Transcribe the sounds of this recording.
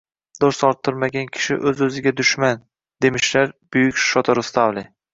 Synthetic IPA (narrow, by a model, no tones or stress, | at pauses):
d̪̥oɾsɒɾt̪ʰːɪɾmaɡʲankʲʰɪ̥ʃɪ̰ʔɵzɵzɪɡʲad̪ʊʃman | d̪e̞mɪʃlaɾb̥ʊjʊkʲʃɒt̪ʰɒɾʊst̪avlɪ